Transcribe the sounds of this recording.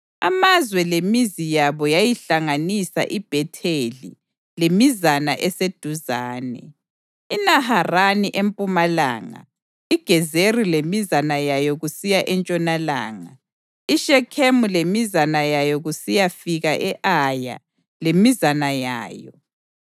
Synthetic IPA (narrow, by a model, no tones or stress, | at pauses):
a̰mazwɛlemizijaβɔjajiɬaŋanisa̰ʔib̥ʱɛtʰelḭ | lemizanaʔɛsed̥ʱuzaːnɛ̰ | inaharaniʔempʼumala̰ːŋa̰ | iɡ̥ʱɛzerilemizanajajɔɣusijaʔɛnt͡ʃʼɔnala̰ːŋa̰ | iʃɛkʰemulemizanajajɔɣusijafiɣaʔɛʔaja̰ | lemizanaja̰ːjɔ̰